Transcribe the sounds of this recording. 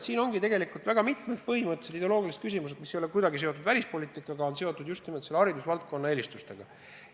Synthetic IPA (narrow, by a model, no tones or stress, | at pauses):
siːno̞ŋɡit̪e̞ɡe̞likult̪væɡ̥ɑmit̪med̪̥̚pɤhimɤt̪ːˑeseid̪elo̞ːɡilise̥kys̬ʲimused̪̥misejolekujd̪̥ɑɡise̞ot̪ːˑud̪̥vælʲispo̞lʲiːt̪ˑikːˑɑɡ̥ɑo̞nse̞o̞t̪ːˑud̪̥just̪nimod̪se̞lːeɑɾid̪usvɑlt̪̚ko̞nːɑeːlʲist̪ust̪e̞ɡ̥ɑ̰